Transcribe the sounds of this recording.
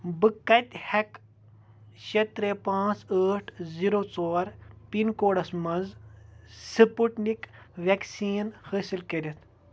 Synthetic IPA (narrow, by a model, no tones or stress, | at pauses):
bɨkːɐt̪ʲhɐk | ʃet̪ɾepãːt͡səːʈʰziɾoːt͡soːɾpinkoːɽɐsmɐnz | sɨpuʈnik | ʋʲeksiːnhəːsilkɐɾet̪ʰ